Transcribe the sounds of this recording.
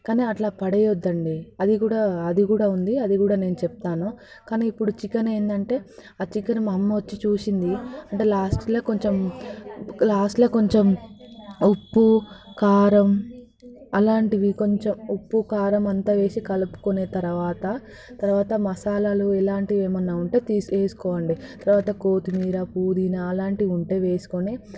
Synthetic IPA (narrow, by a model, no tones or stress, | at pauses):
kaːniːɐʈlaːpɐɽejod̪ːɐɳɖiɐd̪ikuːɽaːɐd̪ikuːɽaːund̪iɐd̪ikuːɽaːne̞ːnut͡ʃɛp̚t̪aːnu | kaːniːipːuɽut͡ʃikɐneːnd̪ɐɳʈe̞ːaːt͡ʃikɐnmɐmːɐʋɐt͡ʃːit͡ʃuːsind̪iɐɳʈeːlaːsʈloːko̞ɲt͡ʃem | laːsʈloːko̞ɲt͡ʃem | upːukaːɾɐm | ɐlaːɳʈiʋiko̞ɲt͡ʃemupːukaːɾɐmɐnt̪aːʋeːsikɐlupu̥kone̞ːt̪ɐɾɐʋaːt̪ɐ | t̪ɐɾʋaːt̪ɐmɐsaːlɐluɛlaːɳʈieːmɐnːaːuɳʈe̞ːt̪iːseːsu̥kɔːʋɐɳɖit̪ɐɾʋaːt̪ɐko̞ːt̪imiːɾɐpuːd̪inaːlaːɳʈiiuɳʈe̞ːʋe̞ːsu̥koneː